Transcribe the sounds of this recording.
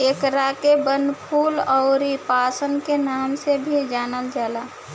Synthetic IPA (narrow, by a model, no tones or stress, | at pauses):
ekɾakebənpʰuːlɔʊɾipaːsənkenaːmsebʱid͡ʒaːnəld͡ʒaːla